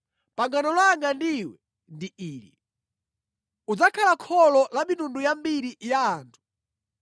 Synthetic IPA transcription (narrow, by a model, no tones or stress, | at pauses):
paŋɡanɔlwaŋɡandiwɛ | ndiiːlḭ | ud͡zakʰalakʰɔlɔlamitundujambiɾijaːntʰu̥